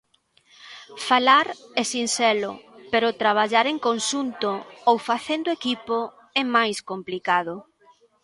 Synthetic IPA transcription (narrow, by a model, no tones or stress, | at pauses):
falaɾɛsinsɛlʊ̰peɾʊt̪ɾaβ̞aʎaɾeŋkonʃunt̪oowfaθend̪oekipo | ɛmajskomplikaðʊ